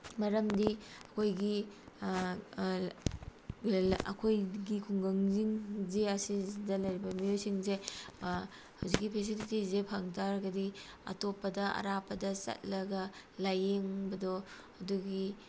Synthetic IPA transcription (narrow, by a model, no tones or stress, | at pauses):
mɐɾɐmdiɐkʰojɡi | ɐ̰kʰojɡikʰuŋɡɐŋziŋzeɐsidɐlɐjɾibɐmijojsiŋze | hawzik̚ːipʰes̬ilitizepʰaŋtʰaɾɡɐdi | ɐ̰topːɐdɐɐ̰ɾapɐdɐsɐ̰t̚lɐɡɐlajeŋbɐdɔ | ɐduɡi